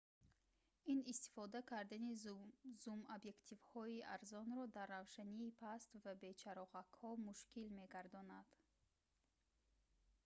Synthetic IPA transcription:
inist̪i̥fɔd̪akʰaɾd̪anizumabje̞kt̪ʰivhɔiaɾzɔnɾɔd̪arːavʃaniːpʰast̪vabe̞t͡ʃʰaɾɔʁakhɔmuʃkilmeɡaɾd̪ɔnad̪̥

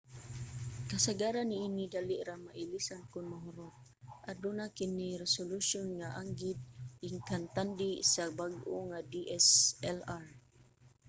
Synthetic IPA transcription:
kasaɡaɾanːiːnidaliʔɾahmaʔilisankʊnmaɦuɾɔt̪̚ | ʔadunakiniɾɛsoluʃɔnŋaʔaŋɡid̪̚iŋkant̪andiʔsabaɡoŋadiʔɛsɛlar

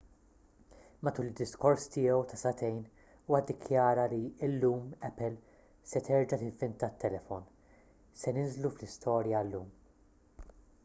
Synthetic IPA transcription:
mɐt̪uːlɪd̪ːɪskɔɾst̪ɪːɛwt̪ɐsɐt̪ɛjn | uːwɐd̪ːɪkʰjɐːɾɐliɪlːuːmɛpːɛl | sɛt̪ɛɾd͡ʒɐt̪ɪvɪnt̪ɐt̪ːɛlɛfɔn | sɛnɪnzluflɪst̪ʰɔːɾjɐlːuːm

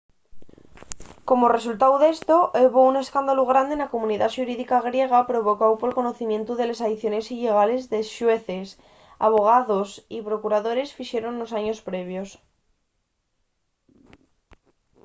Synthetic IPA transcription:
ko̞mo̞re̞sult̪awðe̞st̪o̞ʔeβoune̞skand̪aluɣ̞ɾand̪enako̞mũniðaʃuɾiðikaɣ̞ɾje̞ɣ̞apɾo̞β̞o̞kawpolko̞no̞θimjẽ̞nt̪uðe̞lesaðiθjo̞ne̞siʎe̞ɣ̞ale̞zðe̞ʃwe̞θes | a̰β̞o̞ɣ̞aðosipɾo̞kuɾað̞o̞ɾe̞sfiʃe̞ɾo̞nlo̞saɲo̞spɾe̞β̞jo̞s

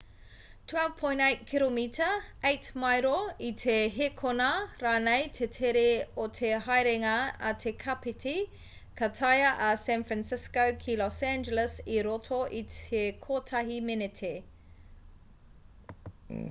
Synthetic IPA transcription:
tʰwɛlv̥pʰõj̃ntejt̚kʰilomitʰəejtmajɾoitʰeɦekʰonaɾaːnejtʰetʰeɾeotʰeɦajɾeŋaɐtʰekʰapitʰi | kʰɐtʰɐjɐʔɐsæ̃nfɹænsɪskowkʰilɔsæ̃nd͡ʒələsiɾotʰoʔitekʰotʰɐɦimenetʰe

